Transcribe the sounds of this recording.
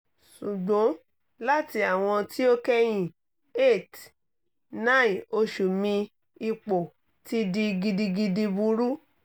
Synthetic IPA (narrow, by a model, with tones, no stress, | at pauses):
ʃu˨ɡ͡bõ˨˦ | la˦ti˧a˨w̃ɔ̃˧ti˦o˦kɛ˦j̃ĩ˦˨ | e˦˨t | nã˦˨ĩ˨o˧ʃu˨mĩ˧ | i˧k͡po˨ | ti˦di˧ɡi˧di˧ɡi˧di˧bu˧˦ɾu˦